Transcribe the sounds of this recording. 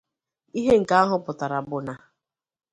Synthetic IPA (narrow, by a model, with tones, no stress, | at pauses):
i˦ɦe˦ŋ̩˨ka˦a˦ɦʊ˦pʊ˨ta˨ɾa˨bʊ˨na˨